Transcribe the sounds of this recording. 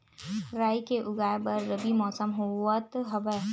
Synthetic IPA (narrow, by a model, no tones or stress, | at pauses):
ɾaːikeʔʊɡaːjbɐɾːɐbimɔːsəmɦuwət̪ɦɐʋɛ